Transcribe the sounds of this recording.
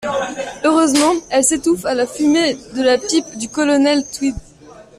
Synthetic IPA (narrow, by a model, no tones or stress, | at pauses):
øʁøzmɑ̃ɛlset̪ufalafymed̪əlapipd̪ykɔlɔnɛlt̪wid̪